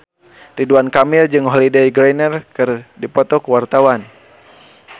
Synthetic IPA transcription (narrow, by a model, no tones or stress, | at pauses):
riduankamild͡ʒɨŋɦɔlidɛjɡɾajnɛrkɨrdipɔt̪ɔkuwart̪awan